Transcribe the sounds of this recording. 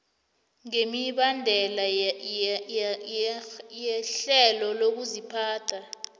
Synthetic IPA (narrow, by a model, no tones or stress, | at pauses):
ŋemiɓandʱɛla | jɛɬɛlɔlok̬uzipʰaːtʰa